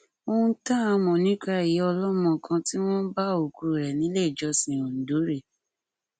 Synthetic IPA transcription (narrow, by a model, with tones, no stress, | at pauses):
õ˧˦ta˦a˧mɔ̃˨nĩ˨˦ka˦˨ji˨˦ɔ˧lɔ˦mɔ̃˨kʰã˧ti˦w̃ɔ̃˦n̩˦ba˦o˨ku˧ɾɾɛ˨nĩ˨˦le˦i˨d͡ʒɔ˧sĩ˨o˨n̩˨do˨˦ɾe˨